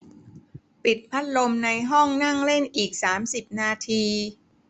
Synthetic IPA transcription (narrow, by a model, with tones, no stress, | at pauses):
pi˨˩t̪̚pʰa˦˥t̪̚lo˧mna˧jɦɔ˥˩ŋna˥˩ŋle˥˩nʔiː˨˩k̚saː˩˦msi˨˩p̚naː˧t̪ʰiː˧